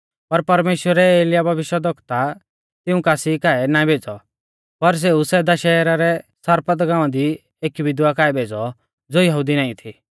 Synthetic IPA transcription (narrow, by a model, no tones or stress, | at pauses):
pɐɾpɐɾmeːʃwəɾɛeːljabʱɐʋɪʃjəd̪ʱɔkt̪a | t̪ɪũkaːsikaːɛnaĩbʱeːd͡zɔ | pɐɾs̬eusɛːd̪aʃɛːɾaɾɛsaɾpət̪ɡãːʋãd̪i | eːkibɪd̪wakaːɛbʱeːd͡zɔ | d͡zoːjɐɦud̪inãːĩt̪ʰi